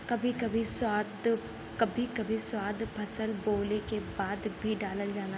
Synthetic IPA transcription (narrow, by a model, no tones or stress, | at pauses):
kɐbʱikɐbʱisaːd̪ | kɐbʱikɐbʱiswaːd̪pʰɐsəlboːlekebaːd̪bʱiɖaːləld͡ʒaːla